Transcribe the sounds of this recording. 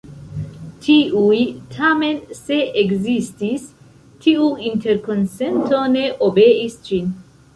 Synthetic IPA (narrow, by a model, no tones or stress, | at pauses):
tʰiʔujt̪ʰamenseʔeɡzist̪is | t̪ʰiuint̪eɾkonsent̪oneʔobeʔist͡ʃin